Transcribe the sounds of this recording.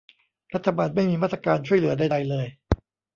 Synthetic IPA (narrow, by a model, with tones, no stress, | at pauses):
ɾa˦˥t̪ʰːa˧baː˧nma˥˩jmiː˧maː˥˩t̪ɾa˧kaː˧nt͡ɕʰu˥˩jlɯ˩˦ɐdaː˥˧˩jda˧jlɤː˧j